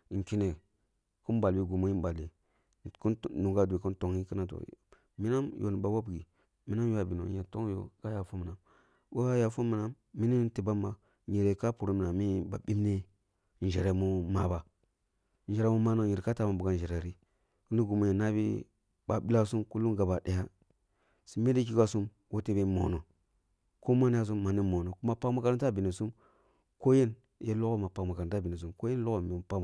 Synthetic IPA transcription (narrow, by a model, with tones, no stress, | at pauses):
ŋ˨ki˦ne˨ | ku˦nba˨lbi˦ɡu˨mo˦i˦ba˨lːe˨ | ku˦nu˨ɡa˦du˨e˨ku˦nto˨ŋi˦ki˦na˨to̰˨ | mi˦na˦mjʔo̰˨n˨ba˨wa˦bɡḭ˨ | mi˦na˦m˦ja˨bi˨no̰˨je˨to˦ŋ˦jo̰˨ka˦ja˨fu˦mi˨na˨ | bo˦ka˦ja˨fu˦mi˨na˦mːi˦ni˦ti˨ba˦mːa˨ | ɲe˨ɾe˨ka˦pu˨ɾo˦mi˨na˨mi˦ba̰˨ɓi˦m˦ne˦˨ | n˨ʒe˨ɾe˨mu˦ma˨ba˨ | n˨e˨ɾe˨mu˦ma˦no˦ɲi˨ɾe˨ka˦ta˨˦ma˨bu˨ɡa˦n˨d͡ʒe˨ɾe˨ɾi˦ | ku˦ni˦ɡu˨mo˨e˨na˦bḭ˦ | ba˨bi˦la˦su˦mku˦lu˦ɡa˨ba˨ɗe˨ja˦ | si˨me˦di˦k̬i˦ka˦su˦m | wo˦te˦be˦mo̰˨no˨ | ko˦ma˦n˦a˦s̬u˦mːa˨ni˦mo˨no˨ku˦ma˦pa˦kma˦ka˦ɾta˦bi˨ni˨su˦m | ko˦je˦n˨ | je˦lo˦ko˦ma˨pa˨kma˨kn˨˦ta˦bi˨ni˨s̬u˦mko˦je˦n˦lo˦ko˦˨mi˨pa˦˨